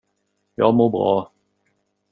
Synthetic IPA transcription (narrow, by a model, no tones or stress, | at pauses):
jɑːɡmoːbɾɑ̰ː